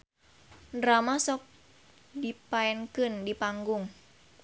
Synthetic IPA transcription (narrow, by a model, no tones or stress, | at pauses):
ndɾamasɔk̚ | dipaɛnkəndipaŋɡʊŋ